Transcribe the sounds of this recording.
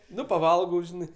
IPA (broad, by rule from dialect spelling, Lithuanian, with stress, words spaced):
ˈnʊ pɐˈʋɐlˠɡɐʊ ˈʒʲɪnɐɪ